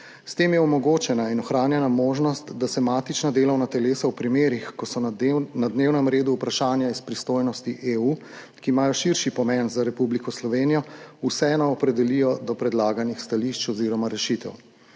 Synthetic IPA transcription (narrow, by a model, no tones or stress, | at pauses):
st̪eːmjɛɔmɔɡoːt͡ʃɛnainɔxɾaːnjɛnamoːʒnɔst̪d̪asɛmaːt̪it͡ʃnad̪eːlɔwnat̪ɛleːsawpɾimeːɾixkɔsɔnad̪neːwnɛmɾeːd̪uːpɾaʃaːnjaispɾist̪oːjnɔst̪iʔeuː | kimaːjɔʃiɾʃipɔmɛnzaɾɛpublikɔslɔʋeːnijɔusɛɛnɔɔpɾɛd̪ɛlijɔd̪ɔpɾɛd̪laːɡanixst̪aliʃt͡ʃɔziːɾɔmaɾɛʃit̪ɛ̰w